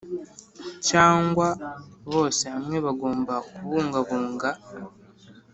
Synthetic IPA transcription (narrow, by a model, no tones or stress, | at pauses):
caːŋɡwaβo̞ːseamwe̞βaɡo̞ːmbaokuβuːŋɡaβuːŋɡa